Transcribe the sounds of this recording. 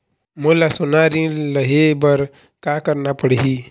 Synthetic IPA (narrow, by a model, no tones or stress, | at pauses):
molasunaɾiləɦebəɾ | kakəɾnapəɽɦi